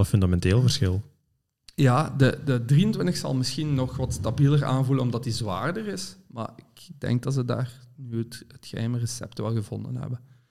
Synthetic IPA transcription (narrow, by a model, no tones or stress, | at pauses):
əfɵndamɛnteːlˠvərsxɪlˠ | jaːdədədriəntwɪntəxsɑ̰lˠmɪsxinːɔxʋɑtstabiləraːnvulənɔmdɑtizʋa̰ːrdərɪsma̰rɪkɡ̚dɛ̰ŋɡ̚dɑtsəda̰ːrnyətətxəɦɛmərəsɛ̰ptʋɛlˠɣəvɔ̰ndənɦɛ̰bən